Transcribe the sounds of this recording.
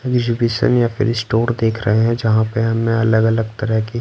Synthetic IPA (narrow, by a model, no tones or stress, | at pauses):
eɡzɪbiːʃə̰njafɪ̰ɾɪsʈoːɾd̪eːkʰɾɐɦeɦɛ̃d͡ʒɐɦãpeɦɐmːẽɐləɡɐləɡt̪ɐɾəɦki